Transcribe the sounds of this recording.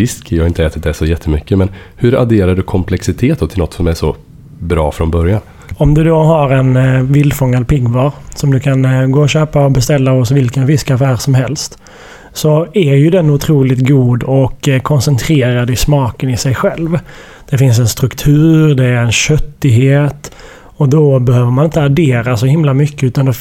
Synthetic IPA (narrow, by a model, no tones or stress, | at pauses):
ɪskjɑːaɪnt̪əɛːt̪ɪt̪̚d̪ɛsɔjɛt̪ʰːəmʏkːəmɛn | hɵɾa̰d̪eːɾaɖɵkʰɔmpʰlɛksɪt̪ʰeːt̪̚ɔt̪ʰɪlɔt̪ːsɔmæʂɔ | bɾɑ̰ːfɾɔnbœɾjan | ɔmd̪ɵd̪oɦaɾɛnvɪld̪fɔŋːad̪̚pɪɡvɑːɾsɔmd̪ɵkʰanɡoːɔɕøːpaɔbɛst̪ɛlːaɔsvɪlkənfɪskafæːɾsɔmɦɛlst̪ | sɔæɾjɵd̪ɛnʊt̪ʰɾuːlɪt̪ɡuːd̪ɔkkʰːɔnsɛnt̪ʰɾeːɾad̪ɪsmɑːkənɪsɛjɧɛlv | d̪̥ɛfɪns̬ɛnst̪ɾɵkt̪ʰʉ̟ːɾd̪ɛːɾɛnɕœt̪ːɪɡɦeːt̪ | ɔd̪ɔbɛhøːvəɾmanɪnt̪əaɖeːɾasɔhɪmlamʏkːəʉ̟ːt̪and̪ɛ